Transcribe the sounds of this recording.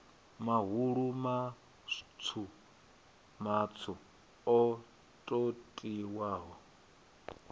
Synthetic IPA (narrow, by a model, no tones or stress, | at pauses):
maɦuɺuma | t͡sʰu | mat͡sʰu | ɔ | tʼotʼiwaːɦɔ